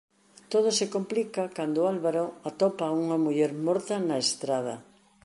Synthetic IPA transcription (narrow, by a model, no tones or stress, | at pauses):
t̪oð̞osekomplikɐkand̪ʊalβaɾoat̪ɔpauŋɐmuʎɛɾmɔɾt̪ɐnɐest̪ɾað̞ɐ̰